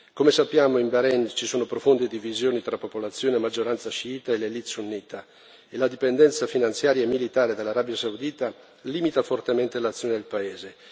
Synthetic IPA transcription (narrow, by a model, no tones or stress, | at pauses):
komesapːjaːmoimbeɾɛnt͡ʃisoːnopɾofond̪ed̪ivizjoːnit̪ɾapːopolat̪sːjoːnemad͡ʒːoɾant̪saʃiiːt̪aelelit̪sunːiːt̪a | elad̪ipend̪ɛnt̪safinant̪sjaːɾjaemːilit̪aːɾed̪elːaɾaːbjasaud̪iːt̪a | liːmit̪afort̪ement̪elat̪sjoned̪elpaeːze